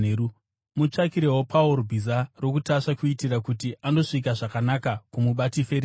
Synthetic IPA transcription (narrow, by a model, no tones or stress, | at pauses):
u | mut͡ʂakiɾe̞wo̞paoɾobʱizaro̞kutaʂakuitirakutiʔando̞ʂik̬aʐakanakakumuɓatife̞ɾe